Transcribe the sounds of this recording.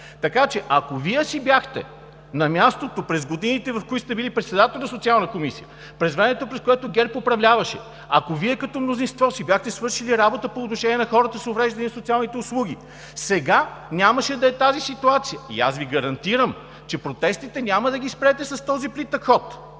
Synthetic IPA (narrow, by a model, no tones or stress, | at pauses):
t̪ɐkat͡ʃɛʔɐkoviɛsibjaxt̪ɛ̰ | nɐmʲast̪ot̪opɾɛzɡod̪init̪ɛvɐfkoit̪st̪ɛbilipɾɛt̪sɛd̪at̪ɛlʲˠnɐsot̪sialˠnəkomisḭjə | pɾɛzvɾɛmɛt̪opɾɛskoɛt̪oɡɛɾpopɾɐvlʲavɐʃɛ̰ | ɐ̰koviɛkɐt̪ɔmnozinst̪vɔsibjaxt̪ɛsvɤɾʃiliɾabot̪əpoːt̪noʃɛnʲiɛnɐxɔɾət̪əsovɾɛʒd̪ɐnisot̪sialˠnit̪ɛʊslˠuɡ̟ʲi | sɛɡanʲaməʃɛd̪ɐɛt̪azisit̪uat̪sijəḭa̰sviɡɐɾɐnt̪iɾəm | t͡ʃɛpɾot̪ɛst̪it̪ɛnʲaməd̪ɐɡʲispɾɛt̪ɛsɐst̪ɔziplit̪ɐkxɔt̪